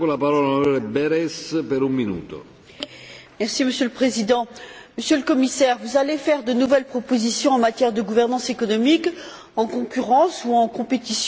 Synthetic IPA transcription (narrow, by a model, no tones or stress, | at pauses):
olapaɾɔːlanaɾɔlebɛɾɛspɛɾumːinṵːt̪o̰ | mɛʁsiməsjøləpχezid̪ɑ̃məsjøləkɔmisɛʁvuzalefɛʁd̪ənuvɛlpχɔpozisjɔ̃ɑ̃mat̪jɛʁd̪əɡuvɛʁnɑ̃sekɔnɔmik | ɑ̃kɔ̃kʲyʁɑ̃suɑ̃kɔ̃pet̪is